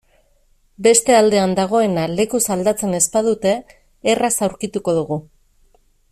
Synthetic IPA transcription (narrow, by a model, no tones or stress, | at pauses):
be̞st̪e̞ald̪e̞and̪aɣ̞o̞e̞nale̞kusald̪at͡se̞ne̞spað̞ut̪e̞ː | rasawɾkit̪uko̞ð̞uɣu